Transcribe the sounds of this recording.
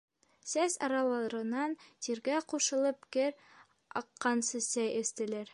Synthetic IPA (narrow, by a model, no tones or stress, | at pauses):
sæsɑ̰ɾɑlˠɑɾɤ̆nɑnt̪iɾɡæquʃɤ̆lˠɤp̚kɘɾ | ɑ̰qːɑnsɘsæjɘ̆st̪ɘ̆læɾ